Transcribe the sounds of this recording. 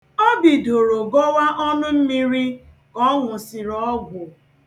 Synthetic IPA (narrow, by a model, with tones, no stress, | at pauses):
o˦bi˨do˨ɾo˨ɡɔ˦wa˦ʔɔ˦nʊ˦m̩˦mi˦ɾi˦ | kɔ˦ŋʷʊ˨sɪ˨ɾɔ˨˦ɡʷʊ˨